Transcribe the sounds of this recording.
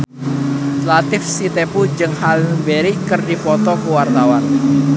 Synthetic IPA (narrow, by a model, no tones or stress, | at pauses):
lat̪ɪfsit̪epud͡ʒɨŋhalbeɾikərdipɔt̪ɔkuwart̪awan